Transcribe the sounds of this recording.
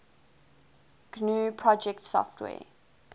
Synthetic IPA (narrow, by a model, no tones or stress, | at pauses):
ɡ̥nuːpʰɹɔd͡ʒɛktsɔ̰ftʰwɛ̰ː